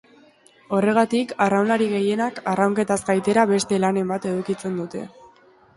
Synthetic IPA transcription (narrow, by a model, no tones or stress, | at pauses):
o̞re̞ɣ̞at̪ikarawlaɾiɣe̞je̞nakarawŋke̞t̪azɡajt̪e̞ɾaβe̞st̪e̞lane̞mbat̪e̞ðukit͡se̞nd̪ut̪e̞̰